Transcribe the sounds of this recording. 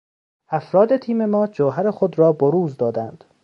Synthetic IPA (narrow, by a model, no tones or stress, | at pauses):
ʔæfɾɒːd̪et̪ʰiːme̞mɒːd͡ʒoːɦæɾexod̪ɾɒːboɾuːzd̪ɒːd̪ænd̪̥